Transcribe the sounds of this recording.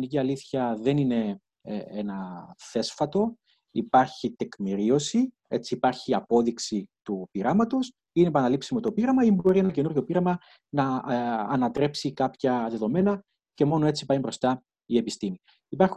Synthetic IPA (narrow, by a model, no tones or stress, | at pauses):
niciɐliθçɐðe̞nine̞ | enɐθe̞sfɐt̪o̞ | ipɐɾçit̪ekmiɾio̞si | e̞̰t͡siːpɐɾçiɐpo̞ðiksit̪upiɾɐmɐt̪o̞s | inepɐnɐlipsimo̞t̪o̞piɾɐmɐimbo̞ɾie̞nɐce̞nuɾʝo̞piɾɐmɐ | nɐː | nɐt̪ɾe̞psikɐpçɐðe̞ðo̞me̞nɐ | ce̞mo̞no̞e̞t͡si̥pɐimbɾo̞st̪ɐ | ie̞pist̪imi | ipɐɾx